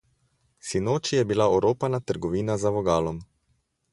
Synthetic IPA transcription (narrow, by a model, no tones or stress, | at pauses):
sinoːt͡ʃijɛbilaoɾoːpanat̪əɾɡɔʋiːnazaʋɔɡaːlɔm